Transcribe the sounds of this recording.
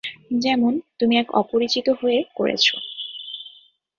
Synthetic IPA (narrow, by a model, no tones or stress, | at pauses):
d͡ʑɛmont̪umiɛkɔ̰poɾit͡ɕit̪oɦoekoɾʔḛt͡ɕʰo̰